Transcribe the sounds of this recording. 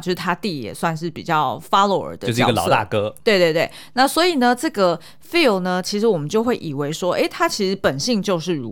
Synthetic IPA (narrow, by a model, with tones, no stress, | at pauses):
jo˥˧ʂɻ̩˥˩t̪ʰa˥t̪i˥˩jɛ̰˨˩swa˥˧nʂɻ̩˥˩pḭ˨˩t͡ɕjɑ˥˩ʊfa˥lo˧ʊə̰˨˩d̪ə˦oʊʂ̩˥˧˨ɡə˨ɑ̰˨˩˥t̪a̰˥˩kɤ˦˥t̪we˥˧ɪt̪we˥˧t̪we˥˩na˥˩swɔ˧˥i˨˩nə˦ʈ͡ʂɤ˥˩ɡə˩ | fi˥˩lnə˦t͡ɕʰi˧˥ʂɻ̩˧˥wɔ˨˩mə˦nt͡ɕjo˥˧ʊxwe˥˩ɪʔi˨˩we˧˥ɪʂwɔ˥ʔe˥˩ɪt̪ʰa˥t͡ɕʰi˧˥ʂɻ̩˧˥pə˨˩nɕi˥˧ŋt͡ɕjo˥˧ʊʂɻ̩˥˩ɻu˧˥